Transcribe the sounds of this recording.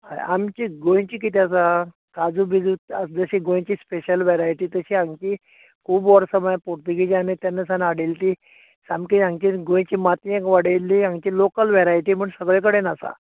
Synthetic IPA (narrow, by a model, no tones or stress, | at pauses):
a̰amt͡ɕiɡoj̃t͡ɕiːk̬it̪ʰiasa | kad͡zubid͡zut̪ad͡zəɕiːɡõj̃t͡ɕiːspeɕəlʋeɾajʈiːt̪əɕiãŋɡt͡ɕiː | kʰuːbɔɾsəmajpoɾt̪uɡid͡ʑanet̪janːəsanaɽelt̪i | samkiãŋɡt͡ɕiɡõj̃t͡ɕiːmat̪iekʋaɽelːiãŋt͡ɕiːlokəlʋeɾajʈiːm̤əɳsəɡɭẽk̬əɽenasa̰